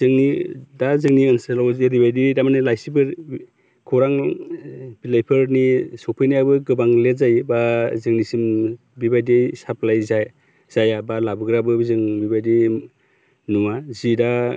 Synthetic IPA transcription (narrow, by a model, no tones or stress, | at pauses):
zɯŋnidazɯŋniɯnsɯlawzeɾibajdidamanɯlajsibɯɾ | kʰɔɾaŋ | bilajpʰɯɾnisɔpʰɯjnijabɯɡɯbaŋletzajbazɯŋnisim | bibajdesap̚lajzaj | z̥ajabalabɯɡɾabɯzɯŋbibajdi | nuŋazida